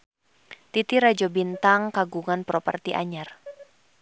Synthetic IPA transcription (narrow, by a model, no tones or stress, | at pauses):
t̪it̪iɾad͡ʒɔbint̪aŋkaɡuŋanpɾɔpə̰rt̪iʔa̰ɲar